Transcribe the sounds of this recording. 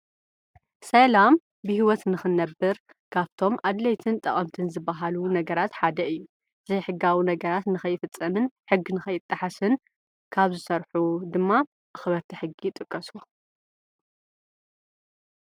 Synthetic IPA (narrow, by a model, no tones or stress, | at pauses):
sɐlam | bɨhiwɔt̪nɨxɨnɐbːɨɾ | kʰaβt̪ʰo̞mʔad̪lɐjt̪ʰɨnt̪ʼɐχʼɐmt̪ʰɨnzɨbːaɦalunɐɡɐɾat̪ħad̪ɐʔɨjːu | zɐjħɨɡːawinɐɡɐɾat̪nɨxɐjːɪfɨt͡sʼːɐmɨnħɨɡːinɨxɐjːɪt̪ʼːɨħasɨn | kʰaβzɨsɐɾħud̪ɨmːa | ʔɨxɨβɐɾt̪ʰiħɨɡːit̪ʼɨkʼːɐsu